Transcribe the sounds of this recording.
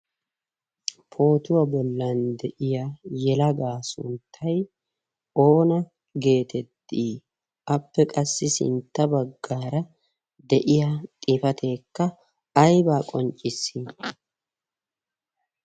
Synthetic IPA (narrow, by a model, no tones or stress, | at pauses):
pʰo̞ːt̪ʊwɐbɔlːɐnd̪ɛʔɪjajɛlɐɡaːsʊ̰nt̪ʰːɐj | o̞ːnɐ | ɡe̞ːt̪ɛt̪ːiː | ʔɐpːɛkʼɐsːɪsɪ̰nt̪ːɐbɐɡːaːɾɐ | d̪ɛʔɪjat̪ʼɪfɐt̪ʰe̞ːkːɐː | jbaːkʼɔnt͡ʃʼɪsːi